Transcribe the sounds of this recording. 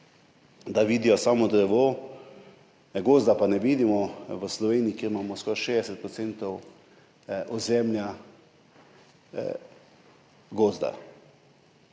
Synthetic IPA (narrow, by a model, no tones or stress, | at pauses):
d̪aʋiːd̪ijɔsaːmɔd̪ɾɛʋo | ɡoːzd̪apanɛʋiːd̪imɔʋəslɔʋeːniikeɾmaːmɔskɔɾʃeːd̪ɛsɛt̪̚pɾɔt̪sent̪ɔw | ɔzɛmlʲja | ɡoːzd̪a̰